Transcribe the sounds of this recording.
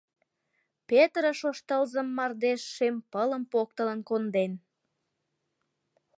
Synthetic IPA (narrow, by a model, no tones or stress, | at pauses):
pet̪rəʃoʃt̪əlzəmːɑrd̪eʃːempələmpok̚t̪ələnkond̪en